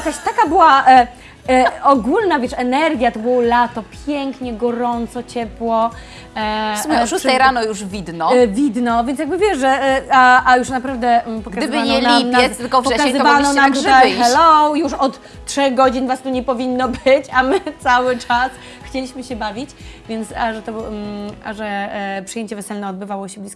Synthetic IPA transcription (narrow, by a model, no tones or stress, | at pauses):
jakaɕt̪akabɘwaʔ | ɔɡulnavʲjɛʂɛnɛɾɡʲjat̪ɔbɔwɔlat̪ɔpʲjɛŋkɲɛɡɔɾɔnt̪sɔt͡ɕɛpwɔ | smʂusʂɛjɾanɔjuʐvʲid̪nɔvʲid̪nɔvʲjɛnjaɡbɘvʲjɛʂʐɛaajuʂnapɾavd̪ɛpɔɡkazd̪ɪbɘaɲɛɔlnip̪ʲɛt̪ɘlkɔvpɔɛkazzɨvanɔnamt̪ut̪ajxɛlɔwjuʂɔt̪ː | ʂɛɣɡɔd͡ʑinvast̪uɲɛpɔvʲinːɔbɘt͡ɕamɘt̪sawɘt͡ʂas | xt͡ɕelʲiɕmɘɕɛbavʲit͡ɕvʲjɛnt̪saʐɛt̪ɔ | a̰ʐɛpʂɨ̥jeɲt͡ɕɛvɛsɛlnɛɔd̪bɘvawɔɕɛblʲisk